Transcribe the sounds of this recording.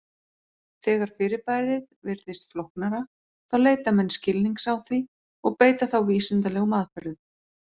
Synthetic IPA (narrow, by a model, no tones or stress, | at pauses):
θɛːɣaɾ̥fɪɾɪpaːjɾɪðvɪɾðɪst̪flohknaɾa | θawleːjt̪amɛnːscɪlniŋksawθvi | ɔɣpeːjt̪aθawviːsɪnt̪alɛɣʏmaːðfɛɾðʏ